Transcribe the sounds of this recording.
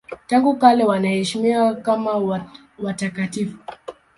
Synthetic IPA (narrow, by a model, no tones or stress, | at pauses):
taŋɡukalɛwanahɛʃimiakama | watakatifu